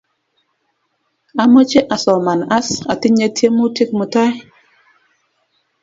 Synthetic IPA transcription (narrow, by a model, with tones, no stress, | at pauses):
a˨mɔ˦t͡ʃe˦ʔa˨sɔ˨ma˨na˦sa̰˨ti˦ɲe˦tʰje˦mu˦ti˦k̚mu˨ta˦j